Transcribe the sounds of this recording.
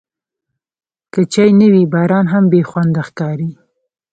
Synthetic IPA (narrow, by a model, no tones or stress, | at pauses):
kət͡ʃɑjnəwibɑɾɑnɦambexwand̪axkɑɾi